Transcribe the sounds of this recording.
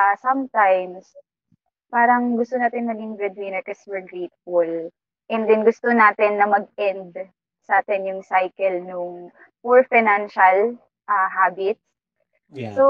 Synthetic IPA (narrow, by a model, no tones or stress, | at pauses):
asɐmt̪ajms | paːɾɐŋɡʊst̪onaːt̪ɪnmɐɡɪŋbɹɛd̪̚wɪnɛɹkɐswɛɹɡɹejt̪̚ful | ʔɛnd̪ɛnɡʊst̪onaːt̪ɪnːɐmɐɡ̚ɛnd̪ | saːt̪ɛnjʊŋsajkɛlnʊŋ | puɹfajnanʃɐl | ʔaɦaːbɪt̪̚s | so